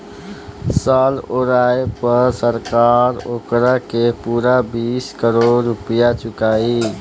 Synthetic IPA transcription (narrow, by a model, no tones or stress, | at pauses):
saːloːɾaːepəɾsəɾkaːɾoːkɾakepuːɾabiːskəɾoːɾːupijat͡ʃʊkaːi